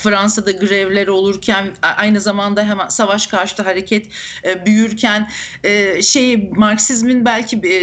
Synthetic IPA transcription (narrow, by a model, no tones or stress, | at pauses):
fɾansad̪aɡɯɾɛvlʲeɾo̞lˠuɾcʰænʔajnɯzamand̪aɦɛmænsavaʃkʰaɾʃɯt̪ˠaɦaɾecʰɛt̪ː | byjyɾcʰænɛːʃejimaɾksizminbælʲcʰi